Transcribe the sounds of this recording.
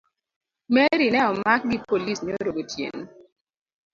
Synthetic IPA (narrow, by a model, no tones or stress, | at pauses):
mɛɾinɛɔmak̚ɡɪpolisɲoɾoɡotjḛn